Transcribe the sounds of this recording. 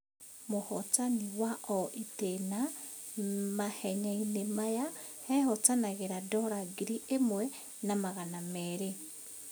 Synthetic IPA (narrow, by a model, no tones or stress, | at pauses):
mohɔt͡saniwaʔɔʔitena | mahɛɲainemajahɛhɔt͡sanaɣeɾadɔɾaɡiɾiʔemwɛ | namaɣanamɛːɾe